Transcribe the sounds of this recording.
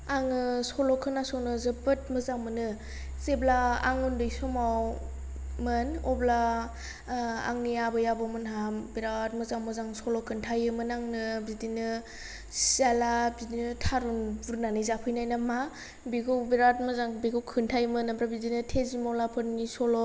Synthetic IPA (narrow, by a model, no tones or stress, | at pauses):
aŋɯsɔlɔkʰːɯnasɔwnɯzɯpɯt̚mɯzaŋmɯnɯ | zeblaa̰ŋundɯjsɔmaw | mɯnɔbla | a̰ŋniabɯjabɔmɯnɦabiɾatmɯzaŋmɯzaŋsɔlɔkʰːɯntʰajɯmɯnaŋnɯbidinɯ | salabidinɯtʰaɾunbuɾnanɯjzapʰɯjnajnama | biɡʰɯwbiɾat̚mɯzaŋbiɡʰɯwkʰɯntʰajmɯnabɾabidinɯtʰezimɔwlapʰɯtnisɔlɔ